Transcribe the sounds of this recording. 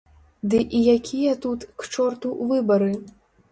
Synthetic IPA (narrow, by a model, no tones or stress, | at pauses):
d̪ɨʔijakʲijɐt̪ut̪kt͡ʂɔrt̪uʔvɨbɐɾɨ